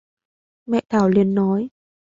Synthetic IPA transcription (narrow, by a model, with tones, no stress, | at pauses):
mɛ̰˧˨t̪ʰaː˧˩wli˧ənːɔ˨˦j